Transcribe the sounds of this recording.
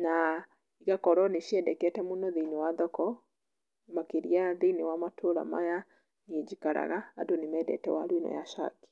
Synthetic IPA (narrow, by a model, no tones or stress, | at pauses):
na | iɣakɔɾɔneʃiɛdɛkɛtɛmunɔðiniwaðɔkɔ | makeɾiaðinewamatʰoɾa̰ma̰ja | niɛd͡ʒikaɾa̰ɣaːdonemɛdɛ̰tɛ̰wa̰ɾwinɔ̰ja̰ʃa̰ki̥